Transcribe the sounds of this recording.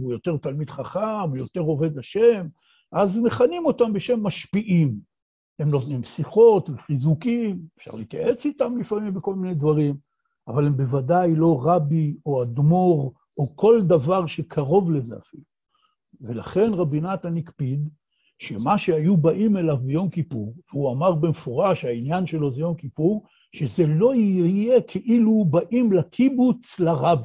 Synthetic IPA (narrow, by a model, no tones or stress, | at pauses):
ujo̞t̪e̞ʁt̪almid̪χaχamujo̞te̞ʁo̞ve̞daʃem | ʔazneχanimo̞tambeʃe̞mːaʃpiʔim | emnot̪nimsiχo̞tveχizukimefʃa̰ʁlḭit̪ja̰ʔe̞t͡sit̪amlifamimbeko̞lmine̞jdvaʁim | avale̞mbe̞vadajlo̞ʁabio̞ad̪mo̞ʁ | oko̞ld̪avaʁʃekʰaʁo̞vlezea̰filu | velaχe̞nʁabinat̪anikpid̪ | ʃemaʃeajubaʔimelavbejo̞mkipuʁveuamaʁbemefoʁaʃainjanʃe̞lo̞zejomkipuʁ | ʃezelo̞ije̞kʰeʔilubaʔimlakʰibut͡slaʁabi